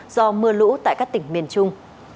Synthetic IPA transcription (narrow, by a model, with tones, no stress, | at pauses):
zɔ˧mɨ˧əlṵ˧˥t̪a̰ː˧˨jkaː˦˥k̚t̪ï˧˩ŋ̟mi˨˩ənt͡ɕʊ˧ŋ͡m